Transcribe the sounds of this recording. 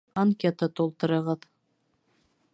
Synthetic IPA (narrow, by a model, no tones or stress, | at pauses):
ɑŋkʲet̪ət̪ulˠt̪ɤ̆ɾɤ̆ʁɤð